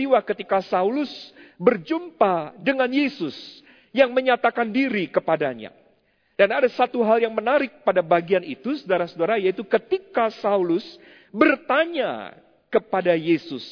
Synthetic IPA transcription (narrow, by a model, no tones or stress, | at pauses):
iwakət̪ikasaulʊsbərd͡ʒumpadəŋanjesʊs | jaŋməɲat̪akandiɾikəpadaɲa̰ | d̥anadasat̪uɦaljaŋmənaɾɪk̚padabaɡianit̪usədaɾasədaɾajait̪ukət̪ikasaulʊs | bərt̪aɲa̰ | kəpadajesʊ̰s